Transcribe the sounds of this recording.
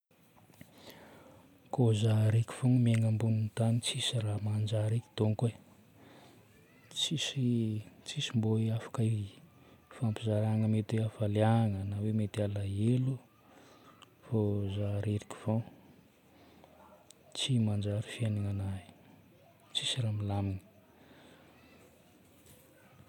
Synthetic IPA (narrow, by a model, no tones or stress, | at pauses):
kozaɾeki̥v̥oŋmeŋambunint̪anit͡sisiramand͡ʒaɾeki̥t̪oŋke | t͡sisit͡sisimboeafḁka | fampizaɾaŋəmet̪eafaliaŋənawemet̪alaelu | fozaɾeɾiki̥v̥o | t͡simand͡ʒaɾifieniŋanai | t͡sisiɾamilamini̥